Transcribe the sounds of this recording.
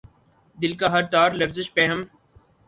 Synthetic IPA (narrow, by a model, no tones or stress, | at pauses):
d̪ɪlkaɦɐɾt̪aːɾlɐfzɪʃpeːɦəm